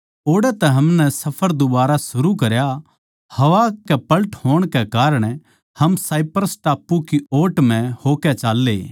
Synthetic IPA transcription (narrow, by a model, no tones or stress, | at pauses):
oːɽɛt̪ɛɦɐmnɛsɐpʰəɾd̪ʊbaːɾasʊɾukɐɾja | hɐʋakɛpɐlʈhoːɽ̃kɛkaːɾəɽ̃ | hɐmsaːɪpəɾəsʈaːpːukioːʈm̤ɛ̃hoːkɛt͡ʃaːlːeː